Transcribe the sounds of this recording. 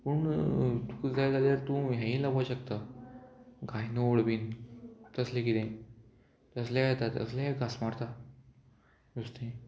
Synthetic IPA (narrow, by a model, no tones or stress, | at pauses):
pəɳt̪ud͡zajd͡zaljaɾt̪ũɦjãĩlabaɕək̚t̪a | ɡʱajnooɽʋiːnt̪əslẽkit̪ẽ | t̪əsljajɛt̪at̪ə̰slaɡasmaɾt̪ʰa | just̪ẽ